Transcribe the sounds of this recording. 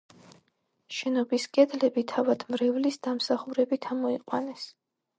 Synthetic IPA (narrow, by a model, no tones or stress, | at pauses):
ʃɛnɔbiskʼɛd̪lɛbit̪ʰavad̪̥mɾɛvlisd̪amsaχuɾɛbit̪ʰamɔiqʼwanɛs